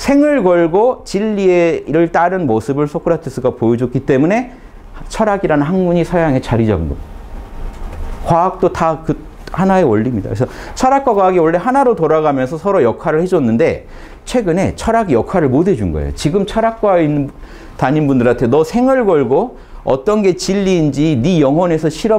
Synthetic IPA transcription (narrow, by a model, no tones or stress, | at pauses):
sʰe̞ŋɯɭɡʌɭɡot͡ɕiʎːieɾɯɭt͈aɾɯnmosʰɯbɯɭsʰok͈ʰɯɾatʰɯs͈uɡapojʌd͡ʑok͈it͈e̞mune̞ | t͡ɕʰʌɾaɡiɾanɯnɦaŋmuɲisʰajaŋe̞t͡ɕaɾid͡ʑa̰ɡɯnɡʌ̰ | kwaːk̚t͈otakɯ | hanae̞wʌʎːimɲida̰kɯesʰʌt͡ɕʰʌɾak͈aɡaɡioɭːe̞ɦanaɾotoɾaɡamjʌnsʰʌsʰʌɾojʌkʰaɾɯɭhe̞d͡ʑʌnːɯnde̞ | t͡ɕʰwe̞ɡɯne̞t͡ɕʰʌɾaɡijʌkʰwaɾɯɭmode̞d͡ʑunɡʌḛjo̰t͡ɕiɡɯmt͡ɕʰʌɾak̚k͈wain | taɲinbundɯɾantʰenʌsʰe̞ŋɯɭɡʌɭɡo | ʌ̰t͈ʌnɡe̞t͡ɕiʎːiːnd͡ʑinijʌŋɦwʌne̞sʰʌɕʰiɾʌ